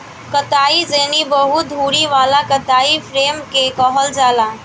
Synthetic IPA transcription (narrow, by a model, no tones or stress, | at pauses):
kɐt̪aːizeːnibɐɦʊt̪̚d̪ʱuːɽiʋaːlakɐt̪aːifʰɾeːmkekɔɦɔld͡ʒaːlaː